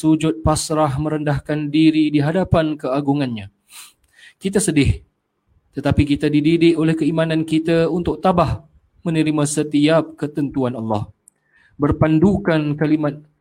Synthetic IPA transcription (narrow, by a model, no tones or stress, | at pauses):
sud͡ʒʊt̪̚pasɾaɦmə̃ɾəndahkandiɾidiɦadapankəaɡuŋanɲã | kit̪asədɪh | t̪ət̪apikit̪adididɪʔolɛhkəimãnankit̪aunt̪ʊk̚t̪abah | mə̃nəɾimãsət̪iap̚kət̪ənt̪uanɑlːɑ̰h | bərpandukankalimat̪̚